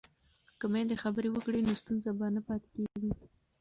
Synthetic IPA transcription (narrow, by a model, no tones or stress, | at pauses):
kəmed̪exabəɾewəkɽinost̪unzabanapɑt̪e̥keɡi